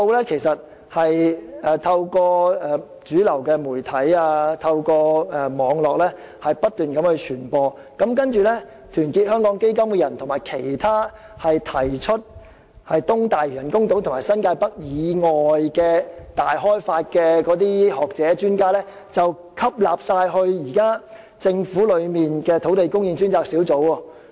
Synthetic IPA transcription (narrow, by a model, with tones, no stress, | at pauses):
to˧wlɛː˥kʰe˨˩jsɐ˨t̚ | hɐ˨jɛː˨t̪ʰɐ˧wkɔː˧ɛː˨˩ | t͡ʃyː˨˥lɐ˨˩wkɛ˧muː˨˩jt̪ʰɐ˨˥jaː˧t̪ʰɐ˧wkɔː˧ɛː˨mɔː˨˧ŋlɔː˨k̚lɛː˥ | hɐ˨jpɐ˥t̚t̪yː˨nkɐ˨˧˥mhɵ˧t͡ʃʰyː˨˩npɔː˧ | kɐ˨˥mkɐ˥nt͡ʃyː˨lɛ˥ | t̪ʰyː˨˩nkiː˧t̚hœː˥ŋkɔː˨˥ŋke˥jkɐ˥mkɛ˧jɐ˨˩nt̪ʰʊ˨˩maː˨˩jkʰe˨˩jt̪ʰaː˥ | hɐ˨jt̪ʰɐ˨˩jt͡ʃʰɵ˥t̚ | hɐ˨jt̪ʊ˥ŋt̪aː˨jjɐ˨˩nkʊ˥ŋt̪o˨˥wt̪ʰmaː˨˩jsɐ˥nkaː˧jpɐ˥k̚jiː˨˧ŋɔː˨˩jkɛː˧t̪aː˨jɦɔː˥jfaː˧t̚kɛː˧kɔː˨˥t̪iː˥hɔː˨k̚t͡sɛː˨˦˥t͡ʃyː˥nkaː˥lɛː˥ | t͡sɐ˨w | kʰɐ˥p̚la̰ː˨p̚saː˧jɦɵ˧ɥjiː˨˩kaː˥ | t͡sɪ˧ŋfuː˨˥lɵ˨˧ɥmiː˨nkɛ˧t̪ʰo˨˥wt̪e˨jkʊ˥ŋji˧ŋsyː˥nt͡saː˧k̚siː˨˥wt͡so˨˥wɔ˧